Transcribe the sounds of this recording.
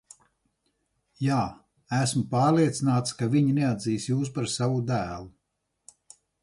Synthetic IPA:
jaː | æsmupɑːɾlˠiɛt̪sinaːt̪skaviɲinɛad̪ziːsjuːs̬paɾsavud̪æːlˠu

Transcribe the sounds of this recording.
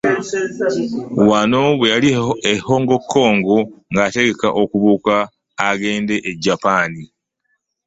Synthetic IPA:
wano̞βwe̞jalieho̞ːŋɡo̞kʰːo̞ːŋɡoŋɡate̞ɡe̞kaʔokuβuːkaː | ɡe̞ːnde̞ʔeɟːapaːni

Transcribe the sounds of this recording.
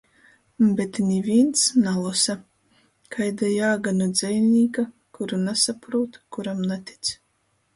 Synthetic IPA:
bet̪nʲivʲiɛnt̪snalˠɔsa | kʰajd̪ajaːɡanud̪z̥ʲɛjnʲiːka | kuɾunasapɾuːt̪kuɾamnat̪i̥t̪s

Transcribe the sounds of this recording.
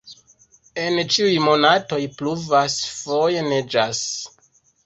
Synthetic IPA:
e̞nt͡ʃiujmo̞nato̞jpluvasfo̞jened͡ʒas

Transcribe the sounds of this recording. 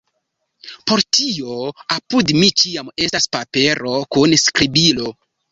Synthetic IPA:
po̞ɾtio̞apudmit͡ʃiame̞staspape̞ɾo̞kunskɾibilo̞

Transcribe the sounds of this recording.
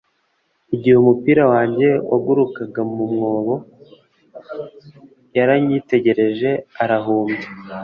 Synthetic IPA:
iɟihumupiːɾawaːɲɟe̞aɡuɾukaɡamumŋo̞ːβo̞ | jaɾaɲite̞ɟe̞ɾe̞ʒe̞aɾaɦuːmbe

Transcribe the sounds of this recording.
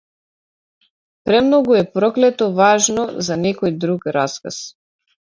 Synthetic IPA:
pɾɛmnɔɡuɛpɾɔklɛt̪ɔvaʒnɔzanɛkɔjd̪ɾukɾaska̰s

